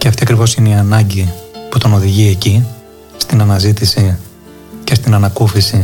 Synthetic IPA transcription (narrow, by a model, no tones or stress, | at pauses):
ce̞ɐft̪iɐkɾivo̞sineiɐnɐɲɟiput̪o̞no̞ðiʝie̞ci | st̪inɐnɐzit̪isi | cest̪inɐnɐkufisi